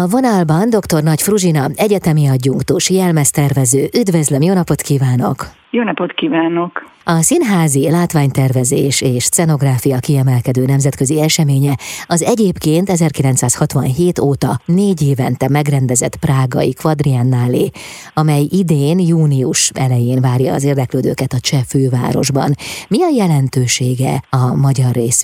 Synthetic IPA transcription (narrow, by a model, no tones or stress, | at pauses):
ɒvo̞nɒlbɒnd̪o̞kt̪o̞rnɒcfruʒinɒɛɟɛt̪ɛmiɒɟːuŋkt̪uːʃjɛlmɛst̪ɛrvɛzøːʔyd̪vøzlømjoːnɒpo̞t̪kiːvaːno̞̰k | joːnɒpot̪kiːvaːno̞k | ɒsinɦaːzilaːt̪ʋaːɲt̪ɛrvɛzeːʃeːʃt̪sɛno̞ɡraːfijɒkiɛmɛlkɛd̪øːnɛmzɛt̪køziɛʃɛmeːɲɛɒzɛɟeːpkeːnt̪ɛzɛrkilɛnt̪saːshɒt̪ʋɒnɦeːt̪oːt̪ɒneːɟeːvɛnt̪ɛmɛɡrɛnd̪ɛzɛt̪praːɡɒ̰ikʋɒd̪rianːaːleː | ɒmɛjid̪eːnjuːniuʃɛlɛjeːnvaːrjɒ̰ːzeːrd̪ɛkløːd̪ø̰ːkɛt̪ɒt͡ʃɛføːva̰ːɾo̞̰ʒbɒ̰nmiɒjɛlɛnt̪øːʃeːɡɛ̰ɒmɒɟɒrːeːs